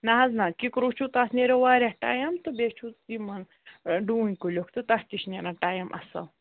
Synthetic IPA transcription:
nɐɦɐznakikɾut͡ʃʰut̪asneɾeʋaːɾʲahʈa̰ːjɐmt̪ɨbet͡ʃʰut̪ːimɐn | ɖunʲkulʲokʰt̪ɨt̪ɐht̪iʃnenaʈaːjmʔɐ̰sɐ̰

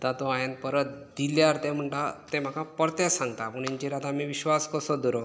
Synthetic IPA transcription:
t̪at̪oajanpəɾət̪̚d̪iljaɾt̪em̤əɳʈat̪ẽm̤akapəɾt̪ɛsãŋɡt̪apəɳaɲt͡ɕiɾad̪ʱamiʋiɕʋaskəsɔd̪ɔɾo

